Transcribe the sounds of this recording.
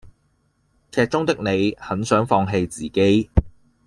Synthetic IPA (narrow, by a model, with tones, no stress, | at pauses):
kʰɛː˧t̚t͡ʃʊ˥ŋt̪ɪ˥k̚ne˨˧jhɐ˨˥nsœː˨˥ŋfɔː˧ŋɦe˧jt͡siː˨˩ke˨˥j